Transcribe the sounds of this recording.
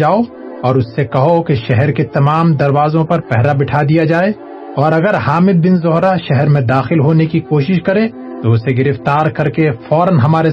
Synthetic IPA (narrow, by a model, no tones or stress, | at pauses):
aːo | ɔːɾʊsːekɐɦokeʃɛɦɛɾket̪ɐmaːmd̪ɐɾwaːzõpɐɾpɛɦɾabɪʈʰaːd̪ijad͡ʒaːe | ɔːɾɐɡəɾhaːmɪd̪̚bɪnzʊɦɾaʃɛɦɛɾmẽd̪aːxɪlɦoːnekikoːʃɪʃkɐɾẽ | t̪oʊseɡɪɾɪft̪aːɾkɐɾkefɔːɾənɦɐmaːɾe